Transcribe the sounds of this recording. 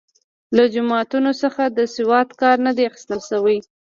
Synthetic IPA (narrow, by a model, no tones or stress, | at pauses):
lad͡ʒʊmɑt̪unosəxad̪əsɪwɑt̪kɑɾnad̪eaxɪ̥st̪alsawəj